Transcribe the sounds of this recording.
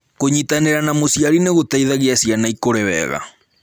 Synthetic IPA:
koɲitaneɾanamosijaɾineɣotaiðaɣiasjanaikoɾɛβɛ̰ɣa̰

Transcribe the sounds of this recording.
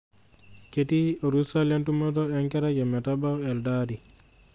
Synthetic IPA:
ketioɾusalantumɔtɔɛŋkɛɾad͡ʒamɛtabawɛldadi

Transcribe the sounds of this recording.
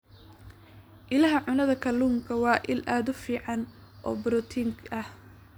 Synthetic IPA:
ʔɪlɐɦɐʕʊnɐðɐkʰɐluːŋkʰɐwɑːʔɪlʔaːd̪ʊfiːʕɑn | ʔɔ̰ːbɾɔt̪ʰiːŋɡɐh

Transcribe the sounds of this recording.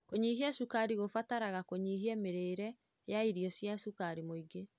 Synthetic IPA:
koɲiɦiaʃukaɾiɣofataɾaɣakoɲihiɛmeɾeɾɛ | jaiɾijɔsjasukaɾimoiɡe

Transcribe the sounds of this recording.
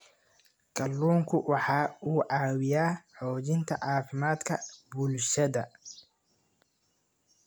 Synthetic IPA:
ɡɐlːuːŋkʰʊwɑħɑːuːʕɑːwɪjaːʕɔːt͡ʃɪnt̪ʰɐʕɑːfɪmaːd̪kʰɐbʊlʃɐðɐ

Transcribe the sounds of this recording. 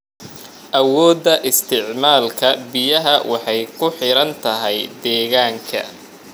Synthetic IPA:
ʔɐwɔːd̪ːɐʔɪst̪ʰɪʕmaːlkʰɐbɪjɐɦɐwʔɑħɑjkʰʊħɪɾɐnt̪ʰɐɦɛjd̪ɛːɣaːŋkʰɐ̰

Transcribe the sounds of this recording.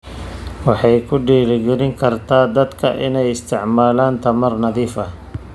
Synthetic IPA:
wɑħɑjkʰʊɖiːlɪɡɛɾɪŋkʰɐrt̪ʰaːd̪ɐd̪kʰɐ̰ʔɪ̰nɛjɪst̪ʰɪʕmaːlaːnt̪ʰɐmɐrnɐðiːfɐ

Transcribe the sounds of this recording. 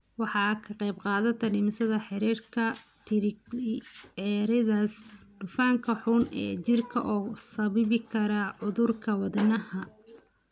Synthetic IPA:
wɑħɑːkʰɐqɛjbqɑːðɐt̪ʰɐɖɪmɪsɐðɐħɪɾiːrkʰɐt̪ʰɪɾɪ | ʕɛːɾɪðɐsd̪̥ʊfaːŋkʰɐħuːnɛ̰ːt͡ʃɪrkʰɐ̰ʔɔːsɐβiβɪkʰɐɾɐʕʊðʊrkʰɐwɑðnɐhɐ

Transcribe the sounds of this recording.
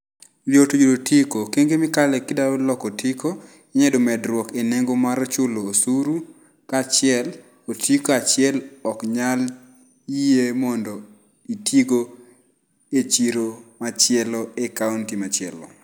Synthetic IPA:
ljotod͡ʒodotikokeŋɡemikalɛkidaɾolɔkotʰiko | ɪɲɛdomɛdɾwɔkeneŋɡomaɾɔt͡ʃʊloːsuɾu | kat͡ʃɪɛl | otʰikoat͡ʃɪɛlɔkɲal | ijemɔndɔ | itʰiɡo | et͡ʃiɾomat͡ʃɪɛlɔekauntimat͡ʃɪɛ̰lɔ̰

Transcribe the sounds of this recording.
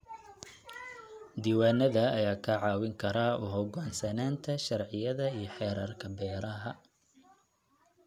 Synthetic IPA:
d̪iːwaːnɐðɐːjaːkʰɐʕɑːwɪŋkʰɐɾaːʊ̰ɦɔɡaːnsɐnaːnt̪ʰɐʃɐrʕɪjɐðɐijɞħɛːɾɐrkʰɐbɛːɾɐɦɐ

